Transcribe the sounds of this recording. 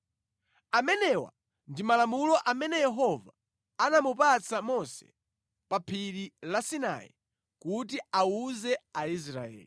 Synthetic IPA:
amɛnɛwa̰ | ndimalamulɔʔamɛnɛjɛɦɔva | anamupat͡sʰamɔsɛ̥̰ | papʰililasina̰jḭ | kut̬iauzɛais̬ɾa̰ɛ̰ːli

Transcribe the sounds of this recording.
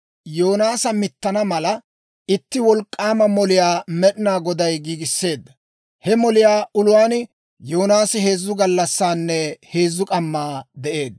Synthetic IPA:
joːnaːsɐmɪt̪ːɐnɐmɐlɐ | ɪt̪ːɪwɔlkʼːaːmɐmɔlɪjaːmɛɗɪnaːɡɔd̪ɐjɡiːɡɪsːe̞ːd̪ːɐ | hɛmɔlɪjaːʔʊlʊwaːn | jo̞ːnaːsɪhe̞ːzːʊɡɐlːɐsːaːnːɛhe̞ːzːʊkʼɐmːaːd̪ɛʔe̞ːd̪

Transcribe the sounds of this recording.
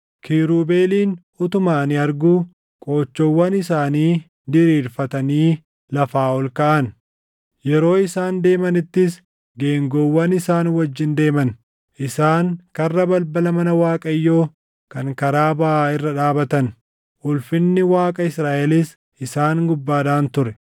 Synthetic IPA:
kʰiːɾuːbe̞ːliːn | ʊt̪ʊmaːnɪɐɾɡuː | kʼo̞ːt͡ʃːowːɐnɪsaːniː | d̪ɪɾiːɾfɐt̪ɐniː | lɐfaːɔlkɐʔɐn | jɛɾo̞ːɪsaːnd̪e̞ːmɐnɪt̪ːɪs | ɡe̞ːŋɡowːɐnɪsaːnwɐd͡ʒːɪnd̪e̞ːmɐn | ʔɪsaːŋkɐrːɐbɐlbɐlɐmɐnɐwaːkʼɐjːo̞ː | kɐŋkɐɾaːbaaːɪrːɐᶑaːbɐt̪ɐn | ʔʊlfɪnːɪwaːkʼɐɪsɾaːʔɛlɪs | ɪsaːŋɡʊbːaːd̪aːnt̪ʊɾɛ

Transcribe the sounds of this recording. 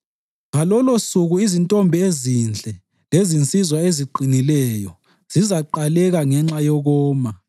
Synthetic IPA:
ɣalɔlosuɣuizintʼɔmbʱiezind͡ɮʱʼɛ | lezint͡sʼizwaeziǃinilɛjɔ | z̥izaǃalɛɣaŋɛŋ͡ǁajɔɣɔːma

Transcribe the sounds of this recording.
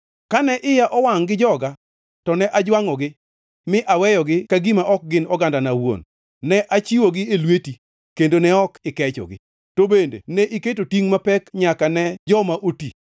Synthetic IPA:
kanɛʔɪjaʔɔwaŋɡɪd͡ʒɔɡa | tɔnɛʔad͡ʒwaŋɔɡɪ | mɪʔawɛjɔɡɪkaɡimaʔɔk̚ɡɪnɔɡandanawo̰nː | ɛʔat͡ʃiwoɡɪelweti | kendonɛɔkɪkɛt͡ʃɔ̰ɡɪ̰ | tobendḛnɛʔiketotiŋmapɛkɲakanɛd͡ʒɔmaʔoti

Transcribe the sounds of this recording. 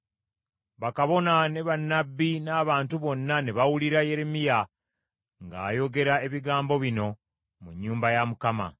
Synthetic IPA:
βakaβo̞nane̞βanːabːinaːβaːntuβo̞nːaneβawuliɾaje̞ɾe̞mija | ŋɡaːjo̞ɡe̞ɾae̞βiɡaːmbo̞βino̞ | muɲːuːmbajamukama̰

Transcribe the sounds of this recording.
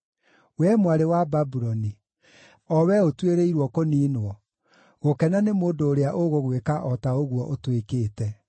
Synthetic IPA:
wɛmwaɾewababuɾɔni | ɔwɛotweɾeiɾwɔkoniːnwɔ | ɣokɛnanemoːndoːɾeaʔoɣoɣwekaʔɔtaoɣwɔʔotwekeːtɛ

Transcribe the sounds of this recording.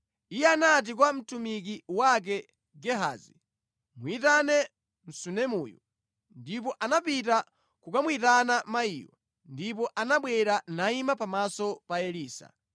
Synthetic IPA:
ijɛanat̬ik̬wam̩tumik̬iwak̬ɛ | ɡɛɦa̰zi | mwitanɛ | m̩sunɛmṵːjṵ | ndip̬ɔʔanapita | kukamwitanamaḭːwa̰ | ndipɔʔanaɓwɛɾanaimapamasɔpaɛliːsa̰

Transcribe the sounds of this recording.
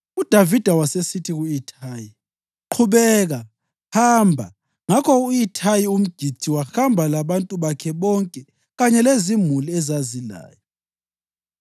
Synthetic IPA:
ud̥ʱavid̥ʱawasesitʰiɣuitʰaːji | ǃʰuβɛːɣa | haːmbʱa̰ | ŋakʰɔuitʰajium̩ɡ̥ʱi̥t͡siwaxambʱalaβantʼuβakʰɛβɔŋkʼɛ | ɣaɲɛlezimuliɛzazila̰ːjɔ

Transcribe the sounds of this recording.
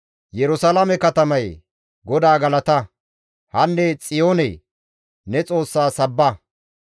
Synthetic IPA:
jɛɾʊsalamɛkɐt̪ɐmɐj | ɡɔd̪aːɡɐlɐt̪ɐ | hɐnːɛt͡sʼɪjo̞ːnɛ | nɛt͡sʼo̞ːsːaːsɐbːɐ

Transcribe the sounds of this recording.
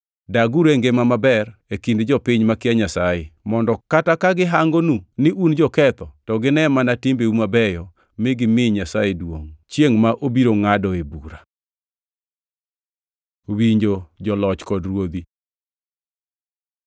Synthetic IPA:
daɡuɾeŋɡemamabɛrekindd͡ʒɔpɪɲmakɪaɲasajemɔndɔkatakaɡɪɦaŋɡonunɪʔund͡ʒɔkɛt̪ɔtɔɡɪnɛmanatɪmbeumabɛjɔ | mɪɡɪmɪɲasajedwoŋt͡ʃjeŋmaʔobiɾoŋadɔebuɾa | wiɲd͡ʒod͡ʒɔlɔt͡ʃkɔdrwod̪i

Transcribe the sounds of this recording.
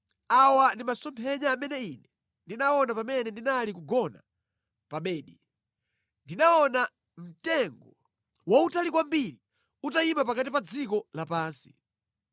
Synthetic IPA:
awandimasɔmpʰɛɲaːmɛnɛinɛ | ndinaɔnapamɛnɛndinalikuɡɔna | paɓɛːɗi | ndinaɔna | m̩tɛŋɡɔ | wautalikwambiɾi | utaimap̬akat̬ipad͡zikɔlapaːnsi̥

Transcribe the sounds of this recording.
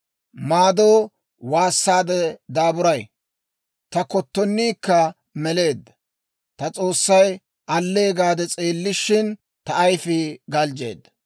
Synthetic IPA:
maːd̪oː | waːsːaːd̪ɛd̪aːbʊɾɐj | t̪ɐkɔt̪ːɔnːiːkːɐ | mɛle̞ːd̪ːɐ | t̪ɐt͡sʼo̞ːsːɐj | ʔɐlːe̞ːɡaːd̪ɛt͡sʼeːlːɪʃːɪn | t̪ɐːjfɪɡɐld͡ʒe̞̰ːd̪ːɐ̥

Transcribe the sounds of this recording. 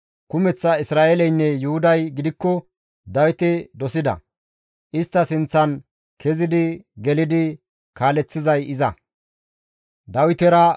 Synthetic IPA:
kʊmɛt͡sːɐɪsɾaːʔelɛjnːɛjʊhʊd̪ɐjɡɪd̪ɪkːɔ | d̪ɐwɪt̪ɛd̪ɔsɪd̪ɐ̰ | ʔɪst̪ːɐsɪnt͡sːɐn | kʰɛzɪd̪ɪɡɛlɪd̪ɪ | kaːlɛt͡sːɪzɐjɪzɐ | d̪ɐwɪt̪ɛɾɐ

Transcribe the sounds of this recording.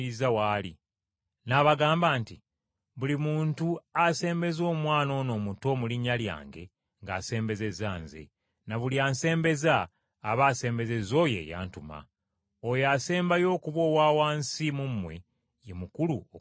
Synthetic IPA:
izawaːlḭ | naːβaɡaːmbaːnti | βulimuːntuase̞ːmbe̞zo̞ːmwaːno̞ːno̞ːmuto̞ːmuliɲːalja̰ːŋɡe̞̰ | ŋɡa̰ːse̞ːmbe̞ze̞zaːnze̞̰ | naβuliaːnse̞ːmbe̞zaː | βaːse̞ːmbe̞ze̞zo̞ːje̞̰ja̰ːntuma̰ | ojase̞ːmbajo̞ːkuβwo̞ːwaːwaːnsimumːwe̞ | jemukuluo

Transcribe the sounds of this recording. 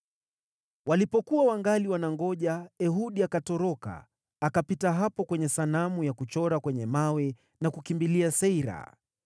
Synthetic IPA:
walipɔkuwawaŋɡaliwanaŋɡɔʄaɛɦuɗiakatɔɾɔka̰ː | kapitaɦapɔkwɛɲɛsanamujakut͡ʃɔɾakwɛɲɛmawɛ | nakukimbiliasɛiɾa̰

